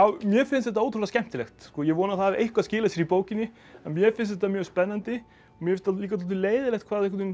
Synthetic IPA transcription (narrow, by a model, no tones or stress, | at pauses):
aːwmjɛfɪnst̪ðɛt̪aoːwt̪ɾɔɾascɛm̥t̪ɪlɛxt̪skɔːjɛɣvɔːnaθavɪʔejhkvaðscɪːlasjɛɾipoːwcɪnːɪ | amjɛfɪnst̪ɛt̪amjœːɣspɛnːant̪ɪ | ɔmjɛɪst̪liːkat̪lt̪ʏleːjðɪlɛxt̪kvaːðɛkvɛt̪ʏm